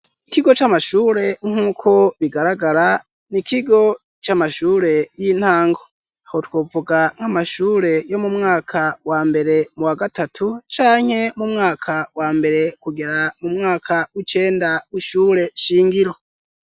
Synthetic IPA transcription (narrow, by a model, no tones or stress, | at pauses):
ikiɡo̞t͡ʃamaʃuːɾe̞ŋ̥uːkʰo̞βiɡaɾaɡaɾa | nikʰiɡo̞ | t͡ʃamaʃuːɾe̞jin̥haːŋɡo̞ | ahotwo̞ːvuɡaŋ̥amaʃuːɾe̞jo̞mumŋaːkʰawaːmbe̞ɾe̞muwaɡatatʰut͡ʃaːŋ̥he̞mumŋaːkʰawaːmbe̞ɾe̞kuɡeɾamumŋaːkʰawit͡ʃe̞ːndawiʃuːɾe̞ʃiːŋɡiɾo